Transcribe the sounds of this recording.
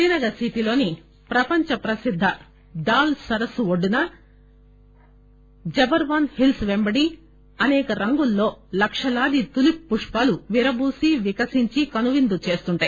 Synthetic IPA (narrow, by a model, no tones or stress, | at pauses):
iːnɐɡɐsiʈilo̞ːni | pɾɐpɐɲt͡ʃɐpɾɐsid̪ʱːɐ | ɖ̪aːlsɐɾɐsuoɖːunɐ | d͡ʒɐbɐɾʋɐːnhilsʋembɐɽi | ɐnɛːkɐɾɐŋɡulːo̞ːlɐkʂɐlaːd̪it̪ulipːuʂpaːluʋiɾɐbuːsiʋikɐsiɲt͡ʃikɐnuʋind̪ut͡ʃe̞ːst̪uɳʈaːji